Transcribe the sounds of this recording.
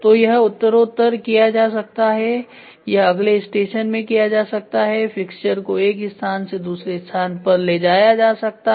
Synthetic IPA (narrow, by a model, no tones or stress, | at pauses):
t̪ojɐɦʊt̪ːəɾoːt̪ːəɾkijad͡ʒaːs̬ɐk̚t̪aɦɛ | jɐɦɐɡleɪsʈeːʃənmẽkijad͡ʒaːsɐk̚t̪aɦɛfɪkʃəɾkoeːkɪst̪ʰaːnsed̪uːsɾeɪst̪ʰaːnpɐɾled͡ʒaːjad͡ʒaːsɐk̚t̪a